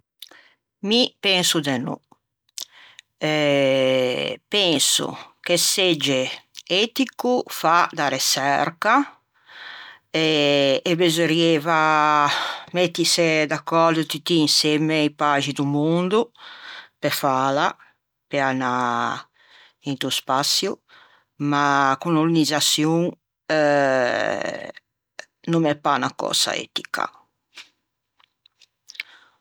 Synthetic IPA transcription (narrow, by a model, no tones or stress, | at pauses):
mipensud̪enṵ | ɛ | pɛnsṵk̟esed͡ʒeet̪ikufad̪aɾesɛɾka | eːbezoɾjeva | met̪ːised̪akːɔɾd̪ut̪it̪iːnsemeipaʒid̪umund̪u | pefala | peana | int̪uspasju | makunulinizasjuŋ | numɛpːanakɔ̰sa̰ɛ̰t̪i̥kʰa̰